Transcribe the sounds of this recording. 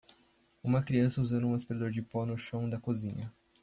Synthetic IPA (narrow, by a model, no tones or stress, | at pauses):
ũmɐkɾiɐ̃sɐuzɐ̃nd̪ʊũɐspiɾad̪oɾd͡ʒɪpɔnʊʃɐ̃w̃d̪ɐkozĩɲɐ